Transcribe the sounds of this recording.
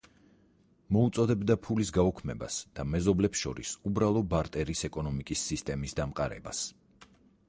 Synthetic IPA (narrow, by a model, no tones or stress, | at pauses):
mɔut̪sʼɔd̪ɛbd̪apʰulisɡaukʰmɛba̰sd̪̥amɛzɔblɛpsʃɔ̰ɾḭsubɾalˠɔbaɾt̪ʼɛɾisɛkʼɔnɔmikʼisːist̪ʼɛmisd̪amqʼaɾɛ̰ba̰s